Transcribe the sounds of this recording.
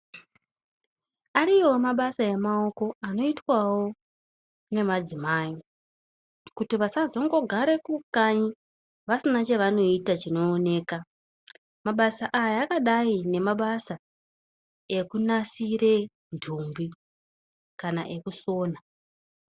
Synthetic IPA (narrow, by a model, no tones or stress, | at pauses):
aɾiwo̞maɓasajemao̞ko̞ano̞itwawo̞ | ne̞mad͡zimaːji | kutiʋasazo̞ŋɡo̞ɡʱaɾe̞kukaɲi | ʋasinat͡ʃeʋano̞itat͡ʃino̞ːne̞ːka | maɓasaʔajaːkaɗaine̞maɓasa | e̞kunasire̞ | ndʰʱumbi | kana̰ʔe̞kuso̞ːna